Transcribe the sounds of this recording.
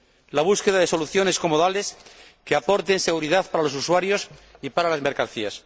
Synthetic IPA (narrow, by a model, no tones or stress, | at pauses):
laβ̞uske̞ðaðe̞so̞luθjo̞ne̞sko̞moðale̞s | keapo̞ɾt̪e̞nse̞ɣ̞uɾiðaθpaɾalo̞s̬uswaɾjo̞sipaɾalazme̞ɾkan̟θias